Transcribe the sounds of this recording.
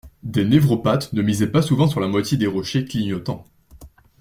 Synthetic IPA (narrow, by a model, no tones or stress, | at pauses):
d̪enevʁɔpat̪nəmizɛpasuvɑ̃syʁlamwat̪jed̪eʁɔʃekliɲɔt̪ɑ̰̃